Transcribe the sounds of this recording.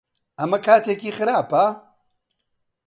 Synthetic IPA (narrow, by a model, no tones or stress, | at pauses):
ɐmɐkʰaːt̪ʰekiːxɨɾaːpɐ